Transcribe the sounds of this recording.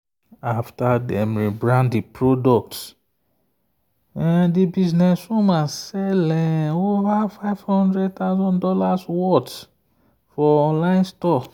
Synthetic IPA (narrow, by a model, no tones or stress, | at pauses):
aftadɛ̃mɹibɹãnddipɹodɔk̚t | ɛ̃dibiznɛsũmasɛlɛ̃ovafaɪvhɔ̃ndɹɛd̚t̪aʊzɔ̃ndɔlaswɔt | fɔɔ̃nlãɪ̃nstɔk